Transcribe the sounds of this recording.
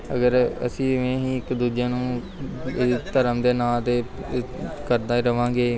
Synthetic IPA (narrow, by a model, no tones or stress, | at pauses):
ə̰ɡəɾə̰sĩːmɛ̃ːɦĩːɪkd̪uːd͡ʒãːnũː | t̪əɾəmd̪eːnaːt̪eː | kəɾd̪aːiːɾəʋãːɡeː